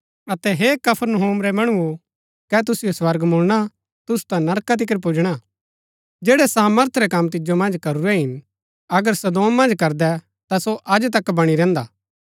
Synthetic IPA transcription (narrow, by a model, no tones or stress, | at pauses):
ɐt̪ɛɦekɐpʰəɾnəɦoːmɾɛmɐɽ̃uo | kɛt̪̬ʊsɪjoswɐɾɡmʊɭɽ̃a | t̪ʊsu̥t̪ãnɐɾkat̪̬ɪk̬əɾp̬ud͡ʒɽ̃a | d͡ʒeːɽɛsaːməɾt̪ʰɾɛkɐmt̪̬ɪd͡ʒomɐ̃nd͡ʒkɐɾuɾɛɦɪn | ɐɡəɾsɐd̪oːmːɐ̃nd͡ʒkɐɾd̪ɛ | t̪asoʔɐd͡ʒt̪ɐkːbɐɽ̃iɾɛ̃ːnd̪aː